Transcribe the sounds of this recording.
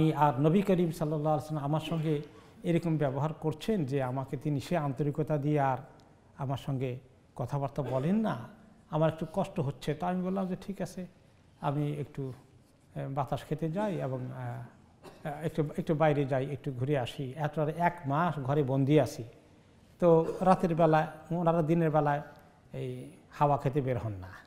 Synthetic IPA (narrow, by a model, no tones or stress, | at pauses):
amiaɾnobikəɾimsɔlːɔlːaaleslmamaɾʃɔŋɡe | eɾɔkombɛboɦaɾkoɾt͡ɕʰend͡ʑeamaket̪iniʃeant̪oɾikot̪ad̪ieaɾ | amaɾʃɔŋɡe | kɔt̪ʰabaɾt̪abɔlenːaamaɾek̚ʈukɔʃʈoɦotːɕʰet̪aamibollamd͡ʑeʈʰikat͡ɕʰe | amiekʈu | bat̪aʃkʰet̪ed͡ʑajeboŋ | ek̚ʈuek̚ʈubajɾed͡ʑajek̚ʈuɡʱuɾeaʃiɛtoɾaɾɛkmaʃɡʱɔɾebond̪ʱiat͡ʃʰi | t̪oɾat̪eɾbɛlaeonaɾad̪ineɾbɛlae | ej | hawakʰet̪ebeɾɦɔnːa